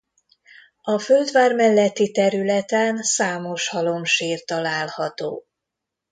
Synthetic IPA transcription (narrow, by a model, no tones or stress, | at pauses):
ɒføld̪vaːrmɛlːɛt̪ːit̪ɛɾylɛt̪ɛnsaːmo̞ʃhɒlo̞mʃiːrt̪ɒlaːlhɒt̪o̰ː